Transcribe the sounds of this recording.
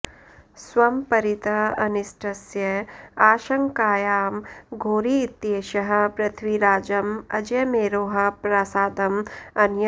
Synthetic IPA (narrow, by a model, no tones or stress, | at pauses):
swɐmpɐɾit̪ɐɐnisʈʰɐsjɐaːʃɐŋkaːjaːmɡʱoːɾiːt̪jeːʃɐɦɐ̆pɾɐt̪ʰʋiɾaːd͡ʒɐmɐd͡ʒjɐmeːɾoːɦɐ̆pɾaːsaːd̪ɐmɐnjɐ